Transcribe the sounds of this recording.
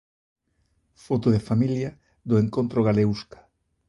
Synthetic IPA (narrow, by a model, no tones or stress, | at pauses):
fot̪oðefamiljɐ | ðoeŋkont̪ɾoɣaleuskḁ